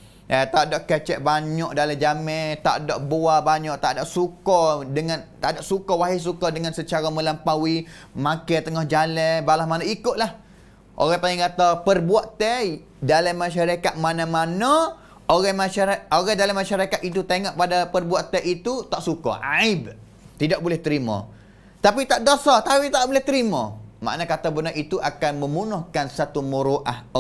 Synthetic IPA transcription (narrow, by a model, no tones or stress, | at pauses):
ʔət̪adɔʔkət͡ʃɛʔ̚baɲɔʔ̚daləd͡ʒamɛt̪a̰ʔdɔʔboabaɲɔʔt̪a̰ʔdaʔsukɔdəŋãnt̪aʔdaʔsukɔwaɦis̬ukɔdəŋansət͡ʃaɾamə̃lampawimãkat̪əŋɔhd͡ʒalɛbalahmanaikʊt̪̚lah | ʔo̰ɣat̪aiŋkat̪apərbuaʔt̪ɛ | dalamːaʃ̬aɾakat̪̚manamanã | oɣamaaaoɣadalamːaʃaɾakat̪̚it̪ut̪eŋɔʔpadapərbuaʔt̪ɛʔit̪ut̪aʔsukɔ̰ʔa̰ib̚ | t̪idaʔ̚bulɛht̪əɾimã̰ | t̪apit̪aʔdosat̪awit̪aʔʔbolɛht̪əɾimɔ̰̃ma̰ʔnakat̪abənaʔit̪uʔakanmə̃munʊhkansat̪uməɾoʔah